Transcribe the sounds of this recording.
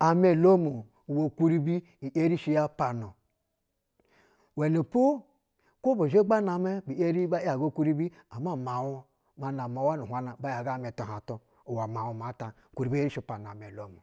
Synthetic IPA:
a˨me˨lo˦mo˨ | wo˨kʷu˦ɾi˦bi˦ | i˨ʔe˦ɾi˦ʃi˦ja˦pa˨no˨ | we˨ne˨pu˦ | ko˦bo˨ʒe˦ɡ͡ba˦na˨me˦bi˨e˦ɾi˦ba˦a˨ɡo˦ku˦ɾi˦bi˦a˨ma˦˨ma˨wo˦ | ma˨na˨ma˨wa˦nu˨hʷa˦na˨ba˦ja˨ɡa˦˨me˨to˨ɦa˨to˦ | u˨wa˨ma˨wo˨m˨a˨˦ta˨ku˨ɾi˨bi˦e˦ɾi˦ʃi˦˨pa˨no˨a˨m˨e˨lo˦mu˨

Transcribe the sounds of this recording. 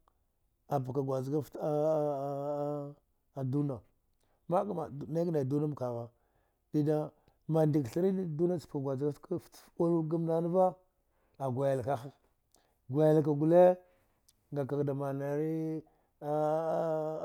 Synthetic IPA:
a˨ba˨ka˨ɡʷa˨zɡa˦fta˦ | a˨du˦na˨ | ma˦ka˦ma˨na˦ɡna˨du˦na˦m˨ka˨ɣa˦ | d̥i˦da˦ | ma˨ndi˨ɡɬi˦ɾi˦ni˦˨du˦na˦t͡spka˨ɡʷa˨zɡa˦fta˦lu˦ɡa˦mna˦n˦va˦ | a˨ɡʷa˨ja˨lka˦xa˦ | ɡʷa˨ja˨lk̬a˨ɡu˨le˦ | ŋɡa˨ka˨kda˨ma˨na˨ɾi˦

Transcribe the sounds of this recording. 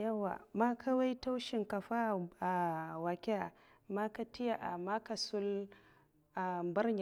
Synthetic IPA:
ja˦wːa̰˨ma˦kʰa˦wa˦jta˦wʃi˨ŋka˨ɸa˦a˨wa˨kʲa˦a˨ | ma˦ka˦ti˦ja˨ʔa̰˨ma˦ka˨su˦l | a˨bɐ˦ɾɲa˨

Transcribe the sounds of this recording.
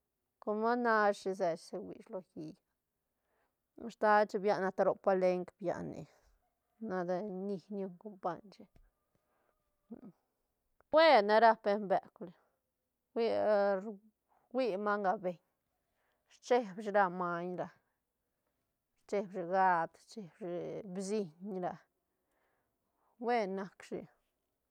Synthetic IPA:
ko˧ma˦na˧ʃi˧z̬e˨t͡ʃse˧wḭ˨ʃlo˧ji˧ja˨ | a˧st̪a˦t͡ʃe˧bja˧na˧t̪a˧ɾo˧pa˧le˧ŋkbja̰˨nḭ˨ | na˧d̪a˧ni˧nju˧ŋko˧mpa˧ɲt͡ʃe˧ | we˦na˧ɾa˦pe˧mbe˨kle˨ | wi˦ɾ | wʷi˦˧ma˦ŋɡa˧be˨ɲ | ɾt͡ʃe˦bʃɾa˧ma˧ɲɾa˧ | ɾt͡ʃe˧bʃi˧ɡa˦˧d̪t͡ʃe˧bʃi˧bsi˧ɲɾa˧ | we˦na˧kʂḭ˧

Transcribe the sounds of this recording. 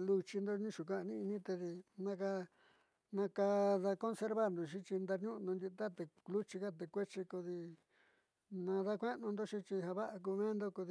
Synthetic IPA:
lu˧t͡ʃi˧nd̪o˦nĩ˦ʃu˨k̬ã˦˧nĩ˦i˧nĩ˦t̪e˧ði˧nã˧ka˧ | nã˧ka˧ða˧ko˦nse˧ɾβa˦˧nd̪o˧ʃ̬ĩ˦t͡ʃi˧nd̪a˧ɲũ˦ʔnõ˧nd̪ʲi˧t̪a˦t̪e˧lu˦t͡ʃi˧ka˦t̪e˨kʷe˦t͡ʃi˧ko˧ði˧ | nã˧ða˦kʷe˦nũ˧nd̪o˦ʃĩ˦t͡ʃi˧ɦa˧βa˦ʔa˧k̬u˧mẽː˦nd̪o˦ku˧ði˧

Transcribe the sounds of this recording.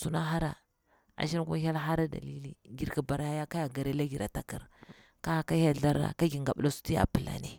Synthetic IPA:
su˨na˦ɦa˦ɾa̰˨ | a̰˨ʃi˦n˦ku˦a˦ça˦lɦa˦ɾa˦da̰˨li˦li˦ɡi˦ɾka˨ba˨ɾa˦ja˦ka˦ja˨ɡa˨ɾe˦la˦ɡi˨ɾa˨ta˨ki˨ɾ | ka˦˨ka˦ja˦ɮa˦ɾa̰˨ka˦ɡi˨ŋɡa˨ɓla˦su̥˦ti˦ja̰˨pə˨la̰˨ne˨

